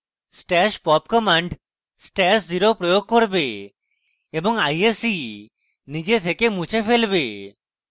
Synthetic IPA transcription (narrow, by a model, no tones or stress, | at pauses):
sʈɛʃpɔpkɔmaɳɖ | sʈɛsziɾopɾojoɡ̚koɾbeː | bɔŋajesi | nid͡ʑet̪ʰekemut͡ʃʰefelbe